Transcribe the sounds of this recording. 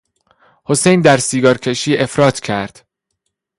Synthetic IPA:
ho̞sejnd̪æɾsiːɡɒːɾcʲʰe̞ʃiːʔe̞fɾɒːt̪ʰcʰæɾd̪̥

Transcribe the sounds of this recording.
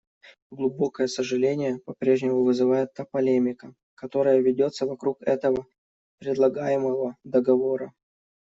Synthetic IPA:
ɡlˠʊbo̞kəjəsəʐɨlʲenʲɪjəpɐpɾʲe̞ʐnʲɪmʊvɨzɨvajɪt̪ːapɐlʲemʲɪkə | kɐt̪o̞ɾəjəvʲɪdʲo̞t̪səvɐkɾukɛt̪əvə | pɾʲɪd̪lˠɐɡajɪməvəd̪əɡɐvo̞ɾə

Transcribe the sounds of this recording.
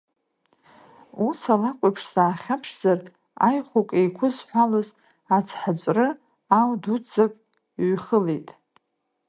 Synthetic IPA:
usalakʷʼapʰʂsaːχʲapʰʂz̥artʼ | a̰jχʷokʼejkʷʰʊzħʷalaz | at͡sʰħat͡ʃʷʼrɨ | awdut͡sakʼ | ɥχəlejtʼ

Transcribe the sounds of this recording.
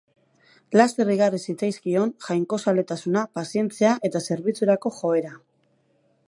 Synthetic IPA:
last̪e̞riɣarisit͡sajskio̞nʝajŋko̞sale̞t̪asunapasie̞nt͡seaʔe̞t̪ase̞ɾβit͡suɾako̞xo̞e̞ɾa

